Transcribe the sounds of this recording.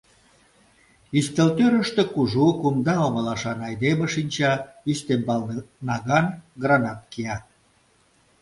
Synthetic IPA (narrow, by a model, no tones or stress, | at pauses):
ist̪ĕlt̪øɾə̆ʃt̪ĕkuʒukumd̪ɑoɣəlɑʃɑnɑjd̪emeʃinʲt͡ɕɑ | yst̪embɑlnɑɣɑnɡrɑnɑt̪kiɑ